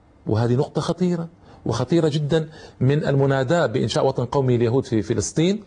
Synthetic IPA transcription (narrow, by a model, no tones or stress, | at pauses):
wʔɪ̰ɦaːd̪inʊqt̪ˤɑxɑt̪ˤiːɾˤɑ | wɪ̰xɑt̪ˤiːɾˤɑd͡ʒɪd̪ːanmɪna̰lmʊnaːd̪aːʔbɪʔɪ̰nʃaːʔwɑt̪ˤɑnqɑwmialjaɦuːd̪fifɪlɨsˤt̪ˤiːn